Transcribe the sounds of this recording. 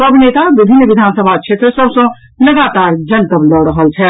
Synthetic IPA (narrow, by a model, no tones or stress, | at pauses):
ɐbneːt̪aʋɪbʱɪnʋɪd̪ʱaːnsəbʱakʃʰeːt̪ɾəsɔsõ | lɐɡaːt̪aːɾd͡ʒɐnt̪əblɔɽəɦəlt͡ʃʰɛ